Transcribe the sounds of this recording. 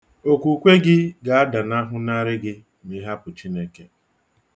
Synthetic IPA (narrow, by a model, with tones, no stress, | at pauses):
o˨kʷu˨kʷe˦ɡɪ˦ɡa˨a˦da˨na˦ɦʊ˦na˦ɾɪ˦ɡɪ˦ | ni˦ɦa˦pʊ˨t͡ʃi˦ne˦ke˨